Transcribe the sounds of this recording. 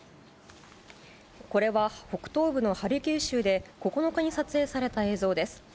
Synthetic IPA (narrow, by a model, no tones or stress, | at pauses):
ko̞ɾe̞βaho̞kɯ̟̥t̪o̞ːbɯ̟no̞haɾʲɯkʲɨːɕɨːd̪e̞ko̞ko̞no̞kaɲ̟isat͡sɨeːsaɾe̞t̪ae̞ːzo̞ːd̪e̞sɨ̥